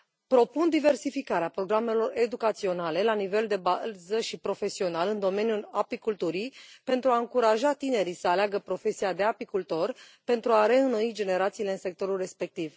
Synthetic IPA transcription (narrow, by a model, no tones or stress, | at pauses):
pɾo̞pund̪ive̞rsifikaɾeapɾo̞ɡɾame̞lo̞re̞d̪ukat̪sio̞nale̞lanive̞ld̪e̞bazəʃipɾo̞fe̞sio̞nalɨnd̪o̞me̞njulapikult̪uɾipe̞nt̪ɾuaɨŋkuɾaʒat̪ine̞ɾisəaleaɡəpɾo̞fe̞siad̪e̞apikult̪o̞rpe̞nt̪ɾuaɾe̞ɨno̞id͡ʒe̞ne̞ɾat̪siːle̞ɨnse̞k̚t̪o̞ɾulre̞spe̞k̚t̪iv